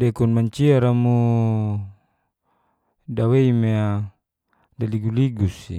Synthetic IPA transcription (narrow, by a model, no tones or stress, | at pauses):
dekunmaɲt͡ʃiaɾamu | daweimea | daliɡuliɡusḭ